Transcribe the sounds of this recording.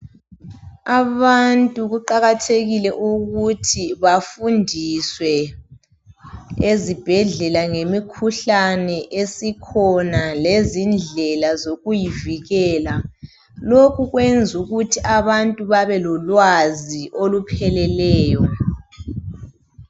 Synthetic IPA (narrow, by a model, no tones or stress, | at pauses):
aβantʼuɣuǃaɣatʰeɣilɛʔuɣutʰiβafundʱiswɛ | ezib̥ʱɛɮɛlaŋemikʰuɬanɛʔesikʰɔnalezind͡ɮʱɛlazoɣujiviɣɛːla | lokʰuɣwend͡zʱuɣutʰiʔaβantʼuβaβɛlɔlwaziʔolupʰɛlɛlɛːjɔ